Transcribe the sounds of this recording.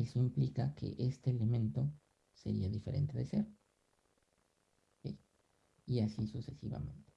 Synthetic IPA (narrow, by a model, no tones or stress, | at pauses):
esoimplikake̞̰ʔest̪eːlemẽ̞nt̪o̞ | se̞̰ɾiaðife̞ɾe̞̰nt̪eðeseɾ | e | iasisuse̞siβa̰mẽ̞nt̪e̥